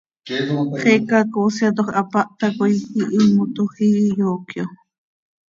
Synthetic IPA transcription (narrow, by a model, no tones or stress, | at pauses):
χekakosjat̪̬oχapaʔt̪akʊjxiʔimʊt̪oxijokjo